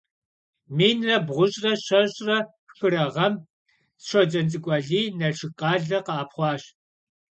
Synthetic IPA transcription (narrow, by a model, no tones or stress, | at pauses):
miːnrɐbʁʷʊɕʼrɐɕɐɕʼrɐ | xɨɾɐʁɐm | sʂʷɔd͡ʒɐnt͡sʼɨkʷʼɐɮiːnɐʂɪqʼɑːɮɐqaːpχʷɑːɕ